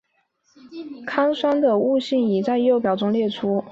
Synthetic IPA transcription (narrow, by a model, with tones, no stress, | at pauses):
kʰa˥ŋʂwa˥nd̪ə˨u˥˧ɕi˥˩ŋi˨˩t͡sa˥˧ɪ˥jo˥˩ʊp̬jɑ˨˩ʊʈ͡ʂʊ˥ŋljɛ˥˩ʈ͡ʂʰu˥